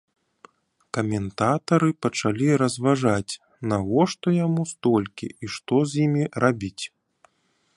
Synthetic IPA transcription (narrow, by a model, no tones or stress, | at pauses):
kɐmʲɛnt̪at̪ɐɾɨpɐt͡ʂalʲiɾɐzvaʐat͡sʲ | naɣɔʂt̪ɔjamust̪ɔlʲkʲḭiʂt̪ɔzʲjimʲirʔabʲit͡sʲ